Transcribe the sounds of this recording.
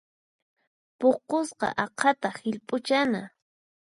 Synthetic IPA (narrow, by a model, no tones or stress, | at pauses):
poqosqɑ̰ʔɑqʰɑt̪ahɪʎpʼʊt͡ʃana